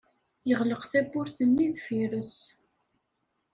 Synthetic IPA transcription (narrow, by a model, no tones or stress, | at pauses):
jəʁləqθæbʊɾθənːiðfiɾəs